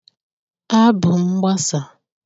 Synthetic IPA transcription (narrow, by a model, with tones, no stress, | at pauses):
a˦bʊ˨ŋ͡m̩˦ɡ͡ba˦sa˨